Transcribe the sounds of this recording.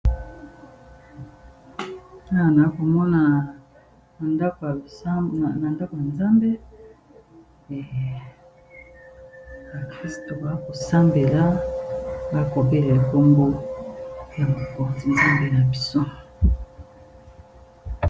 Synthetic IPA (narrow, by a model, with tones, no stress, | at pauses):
a˨na˨˦ko˨mɔ˦na˨ | a˨nda˦k | na˨nda˦ko˨ja˨nza˦mbe˦ | ɛ˨ | ba˨kʁi˦sto˨ba˨˦ko˨sa˦mbe˨la˦ | ba˦ko˨be˦le˨le˨ko˦mbo˦ | ja˨ma˨ko˨ti˨nza˦mbe˦na˨bi˨so˦